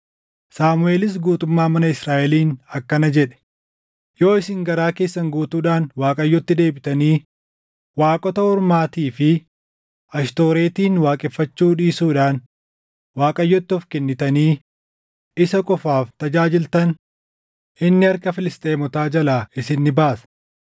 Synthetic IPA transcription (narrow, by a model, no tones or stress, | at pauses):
saːmʊʔe̞ːlɪs̬ɡuːt̪ʊmːaːmɐnɐɪsɾaːʔɛliːnɐkːɐnɐd͡ʒɛᶑɛ̥ | jo̞ːɪsɪŋɡɐɾaːke̞ːsːɐŋɡuːt̪uːᶑaːnwaːkʼɐjːɔt̪ːɪd̪e̞ːbɪt̪ɐniː | waːkʼɔt̪ɐɔɾmaːt̪iːfɪ | ɐʃt̪o̞ːɾe̞ːt̪iːnwaːkʼɛfːɐt͡ʃːuːᶑiːsuːᶑaːn | waːkʼɐjːɔt̪ːɪɔfkɛnːɪt̪ɐniː | ɪsɐkʼɔfaːft̪ɐd͡ʒaːd͡ʒɪlt̪ɐn | ʔɪnːɪɐɾkɐfɪlɪst̪ʼeːmɔt̪aːd͡ʒɐlaːɪsɪnːɪbaːsɐ̥